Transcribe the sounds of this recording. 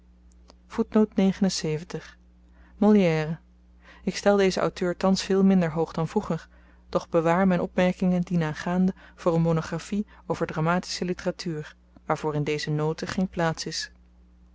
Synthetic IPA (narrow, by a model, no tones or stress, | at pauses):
v̥utnowtnejχənənsejvəntəχ | mɔlˠjɛːrə | ɪkstɛlˠdejzəʔʌ̰wtøːɹtɑnsfɪːlˠmɪndəɹɦowχdɑnvruχəɹ | d̥ɔχbəʋaːɹmɛjnʔɔpmɛɹkɪŋəndinaːχaːndəv̥ʊːrənmonoχrafiowv̥əɹdramaːti̥səlitəratʰyːɹ | ʋaːɹv̥ʊːrɪndejzənowtəχejnplaːtsɪs